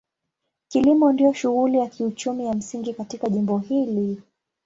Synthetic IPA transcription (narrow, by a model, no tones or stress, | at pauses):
kilimɔndiɔʃuɣulijakiut͡ʃumijam̩siŋɡikatikaʄimbɔhili